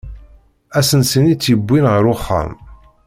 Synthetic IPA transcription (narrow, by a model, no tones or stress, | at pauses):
æsənsənit͡sːibʷːinʁəɾʊχːa̰m